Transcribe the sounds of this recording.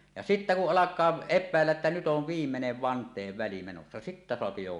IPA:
jɑ sitːæ kuʔ ʔɑlɑkˑɑː epːæˑelːæʔ ʔetːæ nyt oʋ ʋiːmːeneʋ ʋɑntˑeːʋːæli menosːɑ sitːæ soɑpi jo

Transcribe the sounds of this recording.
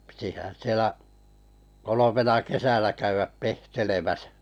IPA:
pitihæn̞ sielæ kolomenɑ kesænæ kæyʋæp pehtelemæsæ̥

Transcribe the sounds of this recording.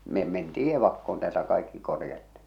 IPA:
me mentiː eʋɑkːoːn tæːltæ kɑikːi korjɑtːi̥

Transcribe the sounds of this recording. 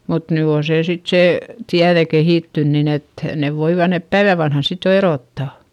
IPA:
mut ny oː seː sit seˑ tiæðe kehiˑtːyn nin et neʋ ʋoiʋɑ nep pæiʋæ ʋɑnhɑn sit jo eroˑtːɑˑ

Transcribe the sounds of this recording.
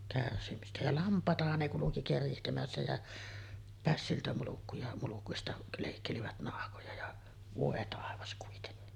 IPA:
kærsimistæ jɑ lɑmpˑɑˑetɑhɑn ne kuluki kerihtemæsːæ jæ pæsːiltæ mulukːujɑ mulukuistɑ leˑikːeliʋæt nɑhkojɑ jɑ ʋoˑe tɑˑeʋɑs kuitenːi

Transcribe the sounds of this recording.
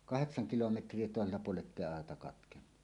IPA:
kɑheksɑŋ kilometrˑie toˑeselːɑ puoleʔ ʔetːeˑi ɑetɑ kɑtkenːu

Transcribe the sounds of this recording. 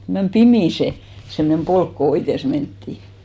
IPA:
mem pimiˑ se semnem polk ko oites mentːiˑ

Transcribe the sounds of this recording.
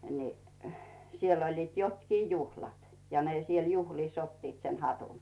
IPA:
ni sielː olʲliːt jotkiː juhlɑt jɑ ne siel juhliˑs otːiːt se hɑtun

